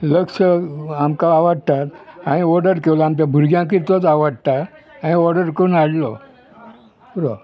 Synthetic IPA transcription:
ləksəamkaaʋəɽt̪at̪aɽ̃iɔɾɖəɾkewlaamt͡ɕjãbʱuɾɡjãk̬it̪ot͡saʋəɽt̪aaɽ̃iɔɾɖəɾkəunaɽlɔ | buɾo

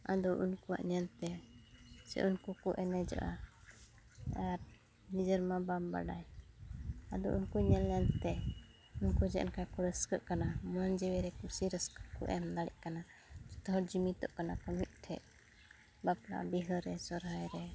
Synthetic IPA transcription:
a̰d̪ɔʔunkuwa̰ʔɲɛnt̪ɛ | sɛ̰ʔunkukuʔɛnɛd͡ʒɔ̰ʔa | aɾ | nid͡ʒəɾmabamba̰ɖa̰j | ad̪ɔ̰ʔunkuɲɛnɲɛnt̪ɛ | unkud͡ʒɛʔnkakuɽɛskəʔkanamɔnd͡ʒɛwɛɾɛkusiɾəskḁkṵʔɛmlaɽɛ̰ʔkana | d͡ʒɛ̥t̪ɔɦɔɾd͡ʒimit̪ɔʔkanakɔmit̪̚ˀʈʰɛ̰ʔ | bapla̰ʔbiɦəɾɛsɔɾɦajɾɛ

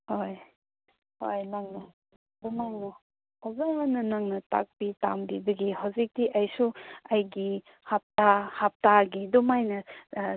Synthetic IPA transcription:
hoj | hojnaŋnɐ | dumajnɐ | hawzaŋmɐnɐnaŋnɐta̰k̚pita̰mbibɐɡihawzik̚diʔɐjsuɐjɡi | hap̚tahap̚taɡidumajnɐ

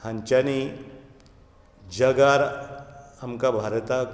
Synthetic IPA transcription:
haɲt͡ʃani | d͡ʒəɡaɾ | amkabʱaɾt̪ak

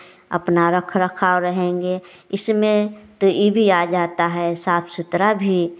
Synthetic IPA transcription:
ɐ̰pnaɾəkʰɾəkʰaːoɾəɦẽːŋɡe | ɪsmẽt̪ojʔebʱiad͡ʒaːt̪aɦɛsaːpʰsʊt̪ɾabʱi

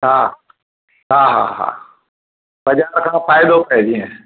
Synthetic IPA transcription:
ɦa | ɦaːɦa̰ɦa̰ː | bɐd͡ʑaːɾkʰãːfaːjd̪opɛɦd͡ʒiɛ̃

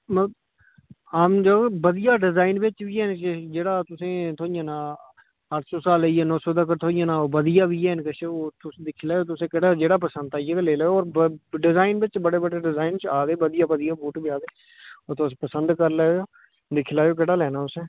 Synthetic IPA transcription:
mə | ɦaːmd͡ʒoebəd̪ɪjaːɖɪzaːɪnbɪt͡ʃbiːɦɛːnt͡ʃd͡ʒeːɽaːt̪ʊsẽːt̪ʰoːɪjãːnaː | əʈʰsoːsaːləieːnɔ̃ːsoːd̪əkəɾt̪ʰoːɪjãːnaːoːbəd̪ɪjaːbiːɦɛːnkəʃeoːt̪ʊsd̪ɪkʰːlaːjoːt̪ʊsẽːkɪɽaːd͡ʒeːɽaːp̬əsə̃nd̪aːijekleːlːɔːɾɖɪzaːɪnbɪt͡ʃbəɽeːbəɽeːɖɪzaːɪnt͡ʃaːd̪eːbəd̪ɪjaːbəd̪ɪjaːpoːʈbiːaːd̪eː | oːɾt̪ospəsənd̪kəɾlɛːoː | d̪ɪkʰlaːjoːk̬ɪɽaːlɛːnaːʊsẽː

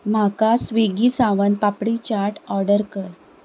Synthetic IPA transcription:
m̤akasʋeɡiːsaʋənpapɽit͡ɕaɾʈɔɾɖəɾkəɾ

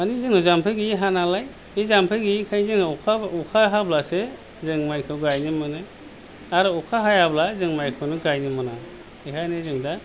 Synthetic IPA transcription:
anizɯŋnɯzampʰɯɡiɦanalaj | ezampʰɯɡikʰajzɯŋnaukʰaukʰaɦablase | zɯŋmajkʰɯwɡajnimɯnɯ | aɾɯukʰaɦajablazɯŋmajkʰɯwnɯɡajnimɯna | eɦʰajnɯzɯŋda

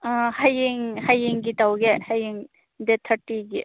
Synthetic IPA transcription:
hɐjiŋhɐjiŋɡit̪ɐwɡehɐjiŋ | d̪et̪ʰəɾʈiɡi

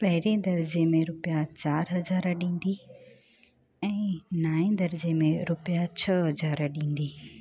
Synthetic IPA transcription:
pɐɦɪɾẽd̪ɐɾɪd͡ʑemẽɾʊpjat͡ɕaːɾɦɐzaːɾɗĩːn̆d̪i | ɛ̃ːnaːẽd̪ɐɾɪd͡ʑemẽɾʊpijat͡ɕʰɐɦɐd͡ʑaːɾɗĩːn̆d̪iː

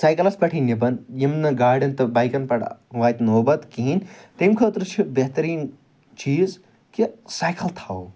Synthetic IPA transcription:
saːjkɐlɐspɐʈʰinibɐnjimnɐɡaːɾɖɐnt̪ɐbaːjkɐnpɐʈʋaːjt̪noːbɐt̪kiɦint̪ɐmkʰɐt̪ɾɨt͡ʃʰibeɦt̪ɐɾiːn | t͡ʃiːz | kisaːjkʰɐlt̪ʰaː

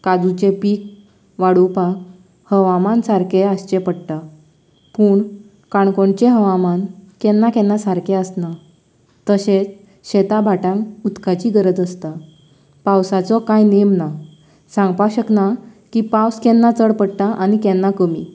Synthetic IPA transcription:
kad͡zut͡ɕepiːk̚ | ʋaɽupak | həʋamansaɾkeast͡ɕepəɽʈ̪a | puːɳ | kaɳkoɳt͡ɕeɦəʋamankɛnːakɛnːasaɾkʰeəsna | t̪əɕẽt͡s | ɕɛt̪abʱaʈãŋut̪kat͡ɕiɡəɾəd͡zəst̪a | pawsat͡sɔkajnemna | sãŋɡpaɕəknakipawskɛnːat͡səɽpəɽʈ̪aʔañikɛnːakəmi

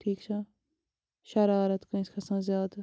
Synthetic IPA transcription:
ʈʰiːkt͡ʃʰɐ | ʃɐɾaːɾɐt̪koĩskʰɐsãːzjaːd̪

